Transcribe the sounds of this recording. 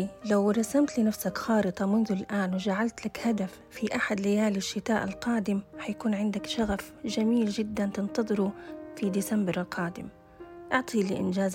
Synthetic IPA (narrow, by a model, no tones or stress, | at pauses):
lawɾˤɑsamt̪lɪnafsakxɑːɾɨt̪ˤɑmʊnðʊlʔaːnwɪʒaʕalt̪lakhad̪afːiʔaħad̪lɪjaːlɪʃːɪt̪aːʔɪlqɑːd̪ɪmhajakuːnʕɪnd̪akʃaɣafʒamiːld͡ʒɪd̪ːant̪ɪnt̪ɑðˤɨɾufid̪isambɾqʰɑːd̪ɪ̰m | ʔɑʕt̪ˤʰiːlḭʔɪ̰nd͡ʒaːz